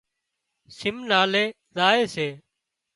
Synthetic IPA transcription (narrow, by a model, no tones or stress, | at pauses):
sɪmnaːleː | zaːeːseː